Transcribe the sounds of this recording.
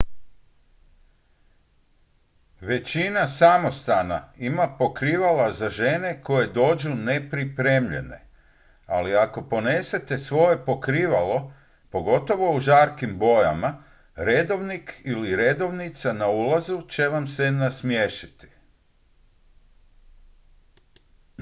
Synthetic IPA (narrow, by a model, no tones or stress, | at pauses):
ʋe̞t͡ɕinasamo̞st̪ana̰imapo̞kɾiʋalazaʒene̞ko̞je̞d̪o̞ːd͡ʒune̞pɾipɾe̞mʎe̞̰ne̞̰ | aliako̞po̞nese̞t̪e̞sʋo̞je̞po̞kɾiːʋalo̞ | po̞ɡo̞t̪o̞ʋo̞uʒaːɾkimbo̞ja̰ma | ɾed̪o̞ʋnikʰiliɾe̞d̪o̞ʋnit̪sanaulazut͡ʃe̞ʋamsenasmjeʃi̥t̪i̥